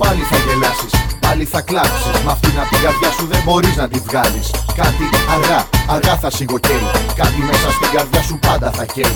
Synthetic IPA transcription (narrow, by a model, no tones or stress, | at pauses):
pɐliθɐʝelɐsispɐliθɐklɐfi̥smɐft̪inɐst̪iɡɐɾðʝɐsuðebo̞ɾiznɐt̪ivɣɐliskɐt̪iɐɣɐɐɣɐθɐsiɣo̞ceɾikɐt̪ime̞sɐst̪iɡɐɾðʝɐsupɐnd̪ɐθɐçe